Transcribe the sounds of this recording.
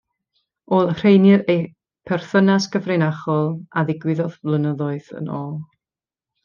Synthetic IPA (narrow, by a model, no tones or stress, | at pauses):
oːlˠr̥ejnɨɾej | pʰɛrθənasɡəvrejnaχɔlˠaðɪɡwɪðɔðvlˠənəðɔɨðə̰noːlˠ